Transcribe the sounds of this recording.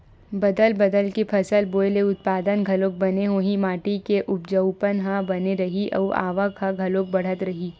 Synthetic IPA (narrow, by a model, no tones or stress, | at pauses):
bɐd̪əlbɐd̪əlkepʰɐsəlboːɪleʊt̪̚paːd̪ənɡʱɐloːk̚bɐneɦoːɦĩmaːʈikeʔʊp̚d͡ʒəʊpənɦãbɐneɾɐɦiʔɐ̰ːa̰ːʋakhaɡʱɐloːk̚bɐɽ̤ət̪ɾɐɦiː